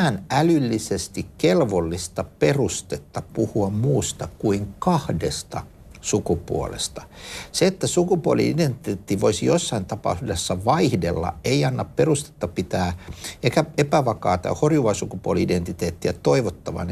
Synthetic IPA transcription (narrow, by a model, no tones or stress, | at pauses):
nælylːisest̪ikkelʋolːist̪ɑperust̪et̪ːɑpuhuɑmmuːst̪ɑkuiŋkɑhdest̪ɑ̰ | sukupṵo̰lḛst̪ɑ̥seet̪ːæsukupuolḭident̪eːt̪ːiʋoisijosːɑint̪ɑpɑ̰usdesːɑʋɑihdelːɑ̰eiɑnːɑpperust̪e̥t̪ːɑpit̪æːekæepæʋɑkɑ̰ːt̪ɑ̰horjuʋɑsukupuoliident̪it̪eːt̪ːiæt̪oiʋot̪ːɑʋɑ̰n